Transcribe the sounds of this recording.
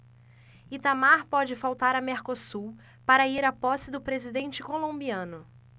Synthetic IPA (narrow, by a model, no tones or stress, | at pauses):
it̪amaɾpɔd͡ʒɪfawt̪aɾɐmeɾkosu | paɾɐiɾapɔsɪd̪ʊpɾezid̪ẽnt͡ʃɪkolõbiɐ̃nʊ